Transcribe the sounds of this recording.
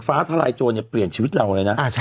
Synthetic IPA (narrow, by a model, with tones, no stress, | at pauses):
faː˦˥t̪ʰa˧la̰˧jt͡ɕoː˧nɛ˧˩pli˨˩ənt͡ɕʰiː˧wi˦˥t̪̚ɾa˧wlɤː˧jna˦˥ʔa˧˩˥